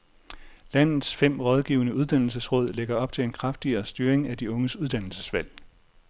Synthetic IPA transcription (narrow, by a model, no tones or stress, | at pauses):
læn̰ð̩ˠsfem̰ʁɒð̞ˠɡ̥ḭːʊnəuð̞ˠd̥ænl̩səsʁɔ̽ð̞̰ˠleɡ̥ɐɒ̽b̥̚t͡sʰe̝le̝nkʰʁafd̥iɐːsd̥yːɐeŋæd̥iɔ̽ŋəsuðˠd̥æn̰l̩səsʋæl̰